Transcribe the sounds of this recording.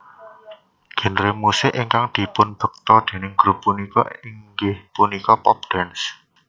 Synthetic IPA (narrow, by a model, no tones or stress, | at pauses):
ɡ̥ə̤nɾemusɪkiŋkaŋd̪̥i̤pʊnb̥ə̤k̚t̪ɔd̪̥e̤nɪŋɡ̥ɾṳpːunikɔ̰ɪŋɡɪhpunikɔpɔp̚d̪̥ɛns